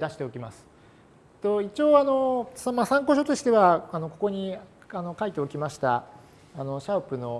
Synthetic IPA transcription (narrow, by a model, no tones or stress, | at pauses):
d̪aɕi̥t̪e̞o̞kʲimasɨ̥ | t̪o̞it͡ɕio̞ːano̞somasãŋko̞ɕo̞t̪o̞ɕi̥t̪e̞βaano̞ko̞ko̞ɲ̟i | ano̞kait̪e̞okʲimaɕi̥t̪a̰ː | no̞ɕaɯ̟pɯ̟no̞